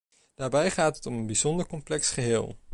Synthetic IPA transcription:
d̥aːɹbɛjχaːtətɔmənbizɔndəɹkɔmplɛksχəɦɪːlˠ

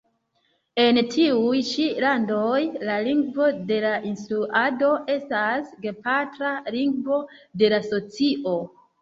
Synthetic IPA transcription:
e̞ntiujt͡ʃilando̞jlaliŋɡvo̞de̞laʔinstɾuʔado̞e̞stasɡepatɾaliŋɡvo̞de̞laso̞t͡siʔo̞

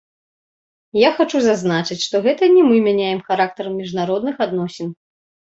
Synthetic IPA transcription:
jaxat͡ʂuzaznat͡ʂɨt͡sʲʂt̪ɔɣɛt̪ɐnʲɛmɨmʲanʲajɛmxaɾak̚t̪ɐɾɐmːʲiʐnaɾɔd̪nɨxad̪nɔsʲɛn

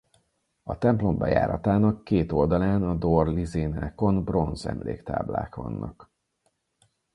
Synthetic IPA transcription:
ɒt̪ɛmplo̞mbɛja̰ːɾɒt̪aːnɒkːeːt̪o̞ld̪ɒlaːnɒd̪orlizeːnaːko̞nbro̞nzɛ̰mlḛːkt̪a̰ːbla̰ːkvɒ̰nːʔɒk

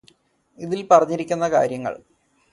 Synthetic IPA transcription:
iðilpɐrɐɲːiɾikʲːunːɐka̰ːɾjɐŋːɐ̰ɭ

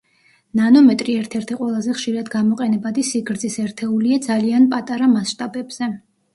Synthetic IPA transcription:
nanɔmɛt̪ʼɾiɛɾt̪ʰɛɾt̪ʰiqʼwɛlˠazɛχʃiɾad̪ɡamɔqʼɛnɛbad̪isiɡɾd̪zisɛɾt̪ʰɛuliad̪zalianpʼat̪ʼaɾamasʃt̪ʼabɛbz̥ɛ

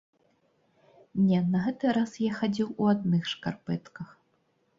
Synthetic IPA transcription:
nʲɛnɐɣɛt̪ɨɾasjaxad͡zʲiwuad̪nɨxʂkarpɛt̪kɐx

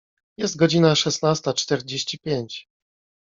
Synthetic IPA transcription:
jɛst̪̚ɡɔd͡ʑinaʂɛsnast̪at͡ʂt̪ɛɾd͡ʑeɕt͡ɕipʲjeɲt͡ɕ

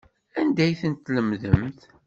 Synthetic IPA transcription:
ænd̪æjθənt̪ːləmðəmθ

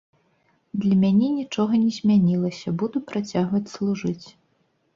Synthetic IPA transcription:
d̪lʲɐmʲanʲɛnʲit͡ʂɔɣɐnʲɛzʲmʲanʲilˠɐsʲɐbud̪upɾat͡sʲaɣvɐt͡sʲslˠuʐɨt͡sʲ

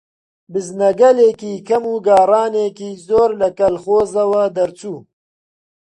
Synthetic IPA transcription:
bɨznɐɡɐleːkiːkʰɐmuːɡɑːɾɑːneːkiːzoːɾlɐkɐlχoːzɐwɐd̪ɐɾt͡suː

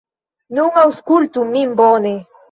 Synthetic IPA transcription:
nuŋauskult̪umimbone

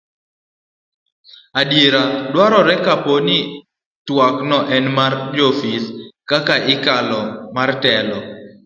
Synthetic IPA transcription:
adjeɾadwaɾɔɾɛkaponi | twaknɔʔɛnmard͡ʒofiskakaʔɪkalɔmartɛlɔ

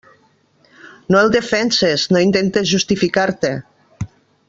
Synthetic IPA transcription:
noelˠd̪efɛnseznoint̪ent̪ezʒust̪ifikaɾt̪e

